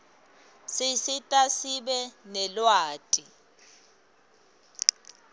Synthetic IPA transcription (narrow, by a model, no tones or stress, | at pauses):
sɪsɪtʼasiɓɛnɛlwaːtʼi